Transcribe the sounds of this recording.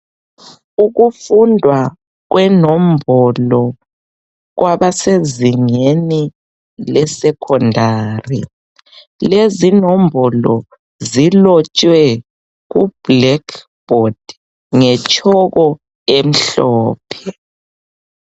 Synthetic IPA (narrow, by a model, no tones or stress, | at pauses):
uɣufundʱwa | ɣ̬wɛnom̩bʱɔlɔ | ɣwaβaseziŋeni | lɛsɛkʰɔndʱaːrḭ | lezinombʱɔlɔ | zilɔt͡ʃʼwɛ | ɣub̥lɛkʰ | b̥ɔd̥ | ŋɛt͡ʃʼɔɣɔ | em̩ɬɔːpʰɛ